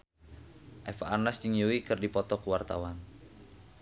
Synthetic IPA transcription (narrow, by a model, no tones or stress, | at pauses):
ʔɛfaːrnasd͡ʒiŋiuwikɨrdipɔt̪ɔkəwart̪a̰wan